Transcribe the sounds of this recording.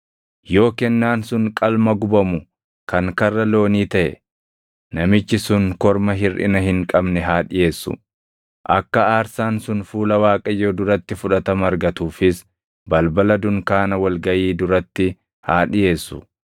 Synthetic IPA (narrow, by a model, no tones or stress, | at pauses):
jo̞ːkɛnːaːnsʊŋkʼɐlmɐɡʊbɐmʊ | kɐŋkɐrːɐlo̞ːniːt̪ɐʔɛ̰ | nɐmɪt͡ʃːɪsʊŋkɔɾmɐɦɪrɪ̰nɐɦɪŋkʼɐbnɛɦaːᶑɪje̞ːsːʊ̰ | ʔɐkːɐaːɾsaːnsʊnfuːlɐwaːkʼɐjːoːd̪ʊɾɐt̪ːɪfʊᶑɐt̪ɐmɐɾɡɐt̪uːfɪs | bɐlbɐlɐd̪ʊŋkaːnɐwɐlɡɐʔiːd̪ʊɾɐt̪ːɪ | haːᶑɪje̞ːsːʊ̰